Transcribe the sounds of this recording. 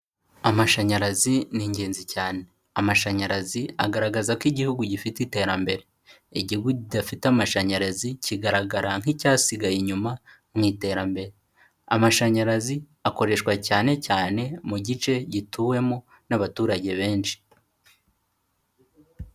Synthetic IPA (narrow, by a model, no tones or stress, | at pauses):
amaʃaɲaɾaziniːɲɟe̞ːnzicaːne | amaʃaɲaɾaziaɡaɾaɡazakiɟihuɡuɟifitite̞ːɾambe̞ɾe̞ | iɟiɡuɟidafitamaʃaɲaɾaziciɡaɾaɡaɾaŋ̥hicaːsiɡajiɲuma | m̥iːte̞ːɾambe̞ɾe̞ | a̰maʃaɲaɾazi | ako̞ɾe̞ʃwacaːne̞caːne̞muɟit͡ʃe̞ɟitʰuːwe̞mo̞ | naβatuːɾaɟe̞βe̞ːnʃi̥